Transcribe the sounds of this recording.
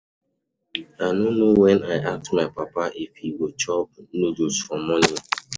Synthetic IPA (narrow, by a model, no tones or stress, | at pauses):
anonowɛnaɪʔak̚tmaɪpapaʔifiwot͡ʃɔp̚nodusfɔ̃mːɔni